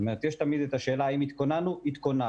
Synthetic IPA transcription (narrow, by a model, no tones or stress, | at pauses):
omeet̪jeʃt̪amid̪et̪aʃe̞ːlaːimit̪konanuit̪kona